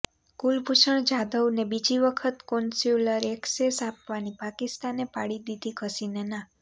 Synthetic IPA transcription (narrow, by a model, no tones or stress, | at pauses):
kulbʱuʃəɳd͡ʒad̪əʋnebid͡ʒiʋəkʰət̪konsjuləɾeksesapʋanipakist̪anepaɽid̪id̪ʱikʰəsinena